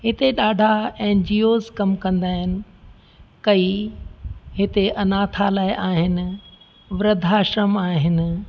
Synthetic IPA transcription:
ɦɪt̪eɗaːɖʱaɛ̃ːd͡ʑijoːzkɐmkɐ̃nd̪aːɦɪnɪ̆ | kɐi | ɦɪt̪eʔɐnaːt̪ʰalaːɪʔaːɦɪnɪ̆ | ʋɾɐd̪ʱaʃəmaːɦɪnɪ̆

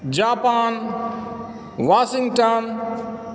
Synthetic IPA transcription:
d͡ʒaːpaːn | ʋaːsɪŋɡʈan

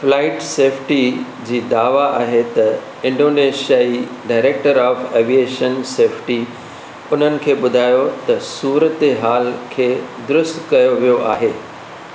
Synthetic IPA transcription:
flaːɪʈseːpʰʈi | d͡ʑiːd̪aːʋaʔaːɦet̪ɐ | ɪ̃ɳɖoːneːʃijai | ɖaːɪɾeːk̚ʈəɾaːfeːʋieːʃənseːpʰʈi | ʊn̤ənɪ̆kʰeːɓʊd̪ʱaːjot̪ɐsuːɾət̪eɦaːlkʰeːd̪ʊɾʊst̪kɐjoʋijoʔa̰ːɦeː

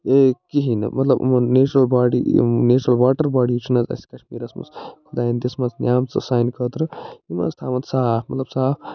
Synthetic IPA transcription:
ekiɦinɐ̰mɐt̪lɐbnet͡ʃuɾɐlbaːɽinet͡ʃuɾɐlwaːʈəɾbaːɽit͡ʃʰinɐzɐ̰skɐʃmiːɾɐsmɐ̰t͡skʰud̪aːjind̪esmat͡snʲjaːmt͡sɐ̰saːjnkət̪ɾɐima̰st̪ʰaːmɐt̪saːpʰmɐt̪lɐb̥saːp

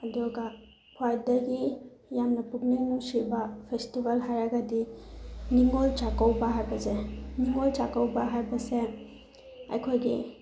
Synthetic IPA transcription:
ɐdɔɡɐ | pʰwajdɐɡi | jamnɐpuk̚niŋnuŋsibɐpʰestibalɦajɾaɡɐdiniŋolt͡ʃakawbɐɦajbɐzeniŋolt͡ʃakawbaɦajbɐse | ɐ̰jkʰojɡi

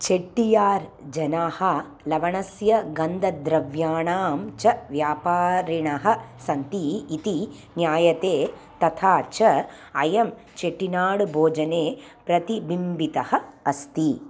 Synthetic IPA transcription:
t͡ʃeʈːijaːɾd͡ʒɐnaːhɐ | lɐʋɐɳɐsjɐɡɐnd̪ɐd̪ɾɐʋjaːɳaːmt͡ʃɐʋjaːpaːɾiɳɐɦɐsɐnt̪iːt̪i | njaːjɐt̪eː | t̪ɐt̪ʰaːt͡ʃɐ | ɐjɐm | t͡ʃeʈːinaːɽbʱoːd͡ʒɐneːpɾɐt̪ibimbit̪ɐhɐɐst̪i

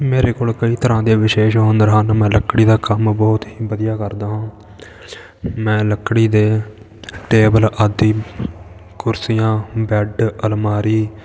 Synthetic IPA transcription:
meːɾeːkoːlkəiːt̪əɾãːd̪eːʋɪʃeːʃɦoːnd̪ɾɦaːnmɛ̃ːləkɽiːd̪aːkəmbɔːt̪ɦiːbəd̪ɪjaːkəɾd̪aːɦãː | mɛ̃ːləkːɽiːd̪eː | ʈeːbəlaːd̪iː | kʊɾsijãːbɛɖəlmaːɾiː

